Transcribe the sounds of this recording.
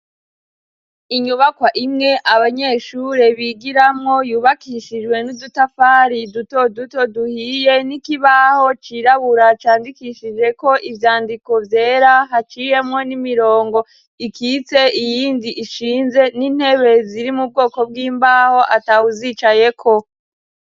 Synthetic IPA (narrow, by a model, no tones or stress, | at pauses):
iɲuβakwaʔimŋe̞ʔaβaɲe̞ʃuɾe̞βiɡiɾamŋo̞juːβakiʃid͡ʒwe̞nudutafaɾiduto̞duto̞duhije̞nikiβaho̞t͡ʃiɾaβuɾat͡ʃaːndikiʃid͡ʒe̞ko̞ʔivjaːndiko̞vje̞ːɾaɦat͡ʃije̞mŋo̞nimiɾoːŋɡo̞ | ikʰit͡se̞ijiːndiʔiʃiːnze̞niːn̥he̞βe̞ziɾimub̚ɡo̞ːko̞b̚ɡiːmbaːho̞ʔatawuzit͡ʃaje̞kʰo̞